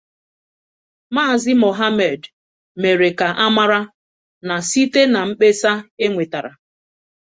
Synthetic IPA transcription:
maː˦˨zɪ˦mo˨ɦa˦me˨d | me˨ɾe˨ka˨ʔa˦ma˦ɾa˦ | na˨si˦te˦na˨m̩˦k͡pe˦sa˦e˦ŋʷe˨ta˨ɾa̰˨

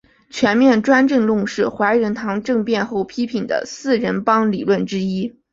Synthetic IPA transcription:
t͡ɕʰɥɛ˧˥nmjɛ˥˩nʈ͡ʂwa˥nʈ͡ʂɤ˥˧ŋlʊ˥˧ŋʂɻ̩˥˩xwa˧˥ɪɻə˧˥nt̪ʰɑ˧˥ŋʈ͡ʂɤ˥˧ŋpjɛ˥˧nxo˥˩ʊpʰi˥pʰi˨˩nd̪ə̰˦sɹ̩˥˩ɻə˧˥npɑ˥ŋlḭ˨˩lwə˥˩nʈ͡ʂɻ̩˥i˥

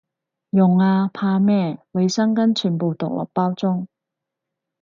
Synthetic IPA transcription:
jʊ˨˩ŋaː˧pʰaː˧mɛː˥we˨˧jsɐ˥ŋkɐ˥nt͡ʃʰyː˨˧npo˨wt̪ʊ˨k̚lʔɔ̰˨˩k̚paː˥wt͡sʊ˥ŋ

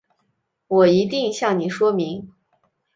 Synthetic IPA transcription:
wɔ˨˩i˧˥t̪i˥˧ŋɕjɑ˥˩ŋni˨˩ʂwɔ˥mi˧˥ŋ

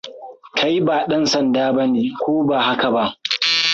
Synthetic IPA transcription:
kʰa˦ji˦baː˨ɗɐ˦nsɐ˨ndaː˦bɐ˦neː˦˨kʷoː˦baː˨ha˦ka˨ba˦ʔ

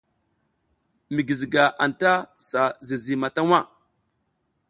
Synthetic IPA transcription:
mi˨ɡi˨zi˨ɡa˨ʔa˨nta˦sa˨zi˨zi˨ma˨ta˦wa˦˨

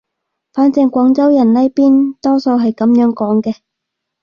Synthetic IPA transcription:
faː˨˥nt͡sɛ˧ŋkʷɔː˨˥ŋt͡sɐ˥wjɐ˨˩nnɐ˥jpiː˥nt̪ɔː˥so˧wɦɐ˨jkɐ˨˥mjœː˨˥ŋkɔː˨˥ŋkɛː˧

